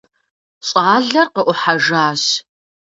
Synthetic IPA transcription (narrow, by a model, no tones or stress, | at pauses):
ɕʼaːɮɐrqəʔʷʊħaʒaːɕ